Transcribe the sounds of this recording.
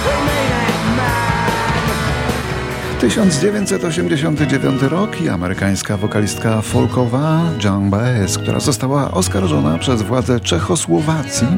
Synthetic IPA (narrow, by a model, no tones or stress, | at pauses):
t̪ɘɕɔnd̪zd͡ʑevʲjeɲt͡ɕʲsɛt̪ɔɕɛmd͡ʑeɕɔnt̪ɘd͡ʑevʲjɔ̰nt̪ɘɾɔkʰia̰mɛɾɘkaj̃skavɔkalʲist̪̚kafɔlkɔvad͡ʒaŋbaɛskt̪ṵɾʔa̰zɔst̪awaʔɔskaɾʐɔna̰pʂɛzvwad̪zɛt͡ʂɛxɔswɔvat̪sʲji